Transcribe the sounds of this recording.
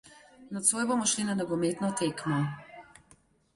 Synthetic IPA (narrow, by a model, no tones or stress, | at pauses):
nɔt̪soːjbomɔʃlinanɔɡɔmeːt̪nɔt̪eːkmɔ